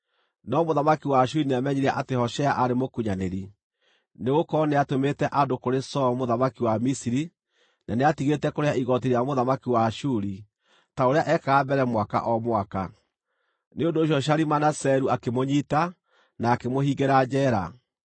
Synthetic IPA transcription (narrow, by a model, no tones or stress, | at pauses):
nɔmoðamakiwaʃuɾineamɛɲeɾiaʔatehɔʃɛaʔaɾemokuɲaneɾi | neɣokɔneatometɛʔadokoɾesɔmoðamakiwamisiɾi | naneatiɣetɛkoɾeaiɣɔt̬iɾiamoðamakiwaʃuɾi | taoɾeaʔɛkaɣabɛɾɛmwaka̰ʔɔmwaka | neondoːɕ̬jɔɕ̬aɾimanasɛɾuakemoɲita | naːkemohiɡeɾad͡ʑɛɾa